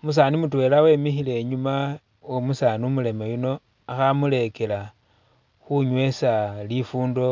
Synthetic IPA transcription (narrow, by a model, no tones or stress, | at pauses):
mus̬animutwe̞ːlawe̞mixile̞ɲuma | omusanumule̞mejuno̞ | axamule̞ke̞la | xuɲwe̞salifuːndo̞